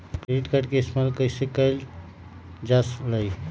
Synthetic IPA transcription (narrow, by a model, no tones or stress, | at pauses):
kɾeɖiʈkaɖkesmalkəjsekəjl | d͡ʒasləj